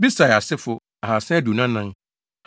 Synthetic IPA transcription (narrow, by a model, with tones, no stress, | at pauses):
bi˦sa˨ja˨sɪ˦fʊ˦ | a˨ha˨sɛ̃˦du˨nã˦nã˦ŋ